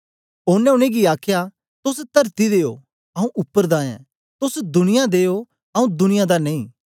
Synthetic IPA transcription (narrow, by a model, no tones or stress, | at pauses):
oːnɛ̃ʊñẽɡiaːkʰja | t̪ʊst̪ɐɾt̪id̪eːjo̰ | ɐũʔʊpːəɾd̪ãːjɛ̰̃ | t̪ʊsd̪ʊnɪjad̪eːo | ɐũd̪ʊnɪjãd̪anɐ̃ĩː